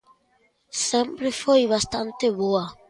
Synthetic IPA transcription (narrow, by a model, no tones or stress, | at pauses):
sẽmpɾefojβast̪ant̪eβoa